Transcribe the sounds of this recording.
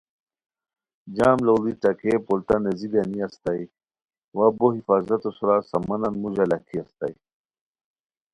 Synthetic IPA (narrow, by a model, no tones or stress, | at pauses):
d͡ʑaːmlolit͡sakepolt̪anezid̪aniast̪aj | waboɦifaːzɐt̪osuɾasɐmɐnanmuʑalakʰiɐst̪a̰j